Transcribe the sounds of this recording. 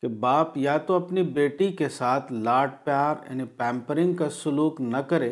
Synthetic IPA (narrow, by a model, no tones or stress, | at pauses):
kebaːpjat̪oɐpnibeːʈikesaːt̪ʰlaːʈ̚pjaːɾja̰ːnipɛ̃ːmpəɾɪ̃ŋɡkasʊluːknɐkɐɾeː